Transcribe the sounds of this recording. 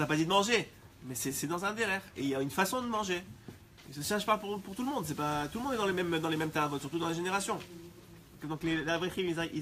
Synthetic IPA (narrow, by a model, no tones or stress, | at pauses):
napad̪id̪əmɑ̃ʒe | mɛsɛsɛd̪ɑ̃zɛ̃d̪eʁɛʁeiljaynfasɔ̃d̪əmɑ̃ʒe | səʃɛʃpapuʁpuʁt̪uləmɔ̃d̪s̬ɛpat̪ulmɔ̃d̪ɛd̪ɑ̃lemɛmd̪ɑ̃lemɛmt̪avɔsyʁt̪ud̪ɑ̃laʒeneʁasjɔ̃ | kd̪ɔ̃klelavʁeʁiizai